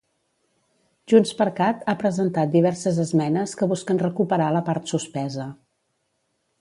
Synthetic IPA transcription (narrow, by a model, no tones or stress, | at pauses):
ʒunspəɾkat̪apɾəzənt̪at̪̚d̪iβɛɾsəzəzmɛnəskəβ̞uskənrəkupəɾaləpaɾt̪suspɛzə